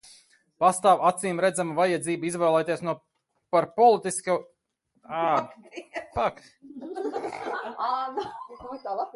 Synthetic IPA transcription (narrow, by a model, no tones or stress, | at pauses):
past̪aːwat̪siːmɾɛd̪zamuvajad̪ziːbizvɛːlˠɛjt̪iɛsnuɔ | paɾpɔlˠit̪iska | a | pak | t̪aːlˠap